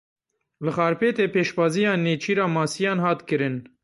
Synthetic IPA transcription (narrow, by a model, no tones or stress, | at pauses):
lɨxɑːɾpʰeːt̪eːpeːʃbɑːzijɑːneːt͡ʃʰiːɾɑːmɑːsijɑːnhɑːt̪kɨɾɨn